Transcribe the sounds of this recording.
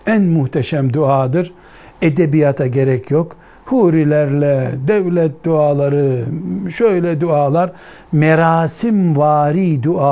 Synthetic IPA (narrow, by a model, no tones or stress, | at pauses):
ænmuht̪ʰɛʃæmd̪uaːd̪ɯɾ | ed̪ebijat̪ʰaɟeɾɛcʰjok | huːɾilʲæɾlʲɛd̪ɛvlʲɛt̪̚d̪uaːlˠaɾɯʃøjlʲɛd̪uaːlˠaɾ | mɛɾaːsimvaːɾiːd̪uaː